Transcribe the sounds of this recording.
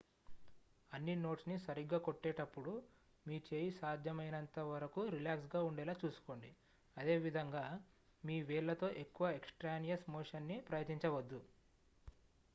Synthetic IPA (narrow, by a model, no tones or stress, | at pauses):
ɐnːino̞ːʈsnisɐɾiɡːaːkoʈːeːʈɐpːuɽu | miːt͡ʃe̞ːjisaːd̪ʱjɐmɐjnɐnt̪ɐʋɐɾɐkuɾilaːksɡaːuɳɖɛːlaːt͡ʃuːsu̥ko̞ːɳɖi | ɐd̪e̞ːʋid̪ʱɐŋɡaː | miːʋɛːɭːɐt̪o̞ːʔe̞kːuʋɐeksʈɾaːnijɐsmoːʂɐnːipɾɐjɐt̪iɲt͡ʃɐʋɐd̪ːu